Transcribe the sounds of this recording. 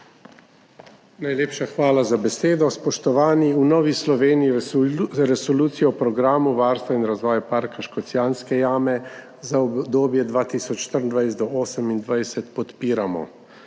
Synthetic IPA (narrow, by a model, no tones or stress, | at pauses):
najleːpʃaxʋaːlazabɛseːd̪ɔspɔʃt̪ɔʋaːniunɔːʋislɔʋeːniji | ɾɛsɔluːt̪sijɔɔpɾɔɡɾaːmuʋaːɾst̪ʋainɾazʋɔːjapaːɾkaʃkɔt̪sjaːnskɛjaːmɛ | zaɔd̪oːbjɛd̪ʋaːt̪iːsɔt͡ʃʃt̪əɾnd̪ʋajst̪d̪ɔoːsəmind̪ʋajsɛt̪pɔt̪piːɾamɔ̰